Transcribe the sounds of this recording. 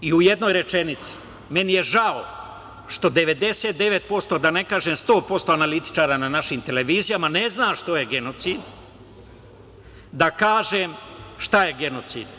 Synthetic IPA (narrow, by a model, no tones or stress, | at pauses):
iuje̞d̪no̞jɾe̞t͡ʃe̞nit̪si̥ | me̞nije̞ʒao | ʃt̪o̞d̪e̞ʋe̞d̪e̞seːt̪̚d̪e̞ʋe̞t̪̚po̞st̪o̞d̪ane̞kaːʒemst̪o̞ːpo̞st̪o̞analit̪i̥t͡ʃaːɾananaʃimt̪e̞leʋiːzijamane̞znaːʃt̪o̞je̞ɡe̞no̞t̪siːd̪ | d̪akaːʒemʃt̪aje̞ɡe̞no̞t̪sḭːd̪